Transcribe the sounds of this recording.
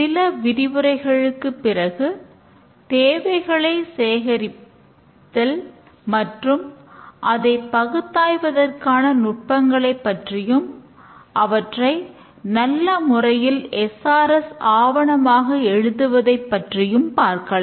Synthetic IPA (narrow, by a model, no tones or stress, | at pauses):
sɪlɐʋɪɾɪʋɯɾɐɪɣɐɭɯkːɯpːɪrɐɣɯ | t̪eːʋɐɪɣɐɭɐɪseːɣɐɾɪ | tːɐl | mɐʈrɯmʔɐðɐɪpːɐɣɯt̪ːaːjʋɐðɐrkaːnɐnʊʈ̚pɐŋɡɐɭɐɪpːɐʈrɪjɯm | ʔɐʋɐʈrɐɪ | nɐlːɐmʊrɐjɪlɛsaːɾɛsaːʋɐɳɐmaːɣɐɛɻɯðɯʋɐðɐɪpːɐʈrɪjɯmpaːɾkɐɭɐ